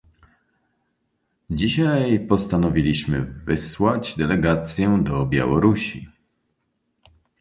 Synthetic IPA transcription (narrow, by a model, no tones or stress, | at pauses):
d͡ʑiɕajpɔst̪anɔvʲilʲiɕmɘ̰vɘswad͡ʑd̪ɛlɛɡat̪sʲjɛd̪ɔbʲja̰wɔɾuɕi